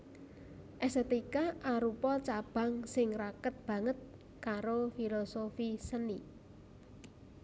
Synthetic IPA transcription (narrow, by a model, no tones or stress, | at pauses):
ʔɛset̪ikaʔaɾupɔt͡ʃab̥ä̤ŋsɪŋrakət̪̚b̥ä̤ŋət̪̚ | kaɾofilosofisəni